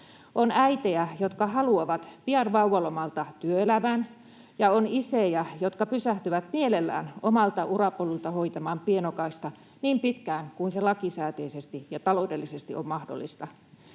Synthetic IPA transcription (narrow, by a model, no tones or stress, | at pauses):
ʔonæit̪eæjot̪kɑhɑluɑʋɑt̪piɑnʋɑuʋɑlomɑlt̪ɑt̪yøelæmæn | jɑonisejæjot̪kɑpysæht̪yʋæt̪mielelːæ̰ːnomɑlt̪ɑurɑpolult̪ɑhoit̪ɑmɑːmpienokɑist̪ɑ | niːmpit̪kæːŋkuinselɑkisæːt̪eisest̪ijɑt̪ɑlodelːisest̪iʔommɑhdo̰lːḭst̪ɑ